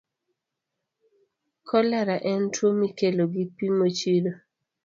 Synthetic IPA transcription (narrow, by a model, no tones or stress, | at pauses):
kʰɔlaɾaʔɛntwomikeloɡipimot͡ʃiɾo